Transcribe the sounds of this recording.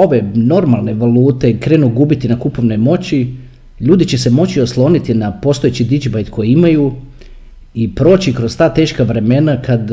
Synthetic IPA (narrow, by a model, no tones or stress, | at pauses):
o̞ʋe̞no̞ɾmalˠne̞ʋalˠuːt̪e̞kɾe̞nuɡuːbit̪inakupo̞ʋne̞mo̞t͡ɕi | ʎuːd̪it͡ɕe̞se̞mo̞t͡ɕio̞slˠo̞nit̪inapo̞st̪oet͡ɕid̪id͡ʒibajt̪kʰo̞jiimaju | ipɾo̞ːt͡ɕikɾo̞st̪aːt̪e̞ːʃkaʋɾe̞me̞nakad̪